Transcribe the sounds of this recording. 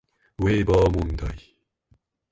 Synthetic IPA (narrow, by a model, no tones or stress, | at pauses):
weːbɔːmund̪ɐj